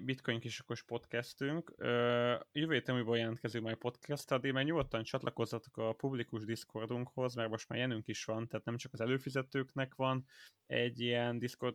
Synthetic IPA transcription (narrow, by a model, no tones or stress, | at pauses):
bit̪kʰo̞ɲkiʃo̥ko̞ʃpo̞t̪kɛst̪yŋkøjøvøːjeːt̪ɛmuːjboljɛlɛnt̪̚kɛzilmaːjpo̞t̪kʰɛst̪ɒd̪ilmɛɡɲuɡot̪ːɒnt͡ʃɒt̪lʔɒko̞zːɒt̪o̥kɒpublikuʒd̪isko̞rd̪uŋkho̞zmɛrmo̞ʃt̪maːrjɛnyŋkiʃʋɒnt̪ɛːt̪nɛmt͡ʃɒkɒzɛløːfizɛt̪øːknɛkʋɒn | ɛɟːijɛnd̪isko̞r